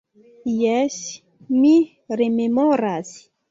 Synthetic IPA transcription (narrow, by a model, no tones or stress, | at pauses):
jɛsi | mi | rememɔɾasi̥